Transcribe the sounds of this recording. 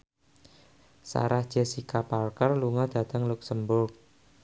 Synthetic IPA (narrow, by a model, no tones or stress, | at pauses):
sa̰ɾahd̥ʒ̥ɛ̤sikapalkərluŋad̪̥a̤t̪əŋluksəmbʊrk̚